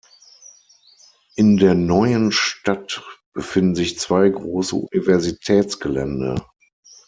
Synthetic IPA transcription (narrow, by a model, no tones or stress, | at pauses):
ʔɪndeːɐnɔʏənʃtatb̥əfɪndn̩zɪçt͡sv̥aɪɡʁoːsə̰ʔṵnivɛɐzitʰɛːt͡sɡ̥əlɛ̰ndɐ̰